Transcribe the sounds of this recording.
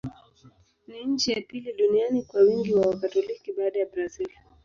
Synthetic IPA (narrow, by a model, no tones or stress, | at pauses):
niɲ̩t͡ʃijapiliɗunianikwawiŋɡiwawakatɔlikiɓaːɗajabɾazil